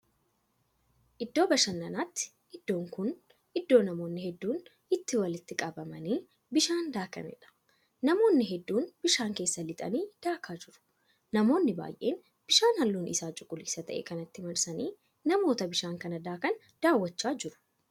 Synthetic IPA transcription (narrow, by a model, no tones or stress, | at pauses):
ʔɪd̪ːo̞ːbɐʃɐnːɐnaːt̪ːɪ̥ | ʔɪd̪̥ːo̞ːŋkʊn | ʔɪd̪ːo̞ːnɐmo̞ːnːɪhɛd̪ːuːn | ɪt̪ːɪwɐlɪt̪ːɪkʼɐbɐmɐniː | bɪʃaːnd̪aːkɐ̰nɛ̰ᶑɐ̥ | nɐmo̞ːnːɪɦɛd̪ːuːnb̥ɪʃaːŋke̞ːsːɐlɪt̪ʼɐ̰niːd̪̥aːkʰaːd͡ʒɪɾʊ̥ | nɐmo̞ːnːɪba̰ːjʔe̞̰ːn | b̥ɪʃaːnhɐlːuːnʔɪ̰saːt͡ʃʼʊkʼːʊliːsɐt̪ɐ̰ʔḛːkɐnɐt̪ːɪmɐɾsɐniː | nɐmo̞ːt̪ɐbɪʃaːŋkɐnɐd̪aːkɐn | d̪̥aːwːɐt͡ʃːaːd͡ʒɪɾʊ̥